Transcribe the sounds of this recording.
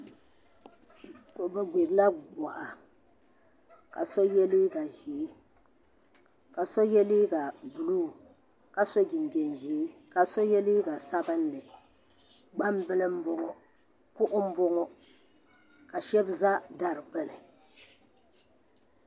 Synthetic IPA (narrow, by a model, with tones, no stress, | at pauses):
ko˨bɛ˦ɡ͡be˨ɾla˦ɡ͡bɔ˨ʔa˨ | ka̰˨so˦jɛ˦li˦ɡa˨ʒiː˨˦ | ka˨so˦jɛ˦liː˦ɡa˨bu˨luː˦˨ | ka˨so˦ɡi˨n˨ɡɛ˨nʒiː˨˦ka˨so˦jɛ˦li˦ɡa˨sa˦bɨ˦nː˦ɨ˨ | ɡ͡ba˦mbɨ˦lɨ˦m˦bʊ˦ŋɔ˦ | kʊ˦ʔʊ˦m̩˦bo˦ŋɔ˦ | ka˨ʃɛ˦bza˦da˨ɾɨ˨k͡pɛ˦lɨ˨